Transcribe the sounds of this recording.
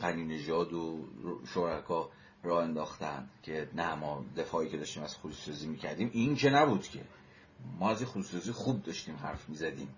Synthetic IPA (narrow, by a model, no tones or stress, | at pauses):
ɢæniːne̞ʒɒːd̪oʃoɾækʰɒː | rɒːhe̞nd̪ɒːxt̪ænd̪cʲʰe̞næmɒːd̪e̞fɒːiːcʰed̪ɒːʃt̪iːmæz̥xud̪usɒːziːmiːcʰæ̰ɾd̪iːmʔinkʰenæbuːd̪̥cʰe̞̰ | mɒːæzinxud̪usɑːziːxub̚d̪ɒʃt̪iːmɦæ̰ɾfmiːzæd̪ḭːm